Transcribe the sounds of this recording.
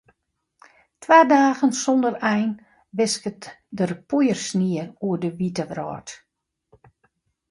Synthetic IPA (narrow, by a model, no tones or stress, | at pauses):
tʰwaːdaːɣənsɔndərɛjn | ʋɪskətdərpujərsniəruədəʋitəʋrɔ̰ːt